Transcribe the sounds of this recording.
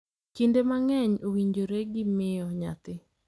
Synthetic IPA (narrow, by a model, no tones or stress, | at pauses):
kindemaŋɛɲowiɲd͡ʒoɾeɡɪmɪjɔɲa̰t̪ɪ